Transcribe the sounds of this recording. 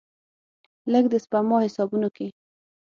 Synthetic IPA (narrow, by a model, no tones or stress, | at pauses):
ləɡ̚d̪espamɔhɪsɑbunoke